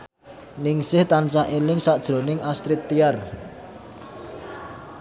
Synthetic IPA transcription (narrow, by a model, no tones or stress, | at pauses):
nɪŋsɪht̪ansaʔelɪŋsad̥ʒ̥ɾo̤nɪŋast̪ɾɪt̪ːiar